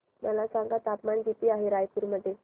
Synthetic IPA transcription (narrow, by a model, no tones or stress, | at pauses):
məlasãŋɡat̪apmanɡit̪iːaɦeɾajpuɾməd̪ʱːje